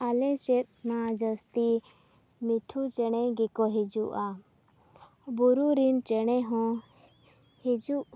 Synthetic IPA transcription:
alɛ̃sɛt̪̚nad͡ʒəst̪i | miʈʰut͡ʃɛɽ̃ɛɡɛkɔɦid͡ʒuʔa | buɾuɾint͡ʃɛɽ̃ɛɦɔ̃ | hed͡ʒu

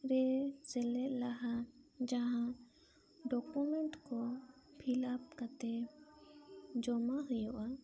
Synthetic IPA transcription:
ɾɛsɛlɛʔ̚laɦad͡ʒaɦã | ɖɔkumɛɳʈkɔ | pʰilap̚kat̪ɛ | d͡ʒɔmaɦujɔʔa

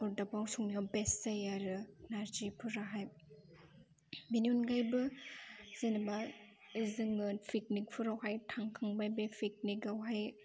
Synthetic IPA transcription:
ɔɾdapawsuŋniabestajaɾɯnaɾd͡ʒipʰɯɾaɦaj | miniunɡajbɯ | z̥enaba | zɯŋɯnpʰik̚nik̚pʰɯɾawhajtʰaŋkʰaŋbajbepʰik̚nikawɦaj

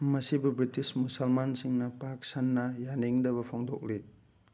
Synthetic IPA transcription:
mɐsibubɾitismusɐlmansiŋnɐpaksanːɐjaniŋdɐβɐpʰoŋdok̚li

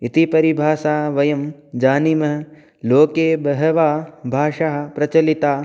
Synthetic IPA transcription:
it̪ipɐɾibʱaːsaːʋɐjɐmd͡ʒaːnimɐɦ | loːkeːbɐɦɐʋaːbʱaːʂaɦɐ̆pɾɐt͡ʃɐlit̪aː

